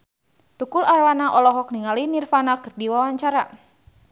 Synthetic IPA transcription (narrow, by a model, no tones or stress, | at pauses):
t̪ukularwanaʔɔlɔɦɔk̚niŋalinirfanakɨrdiwawaɲt͡ʃaɾa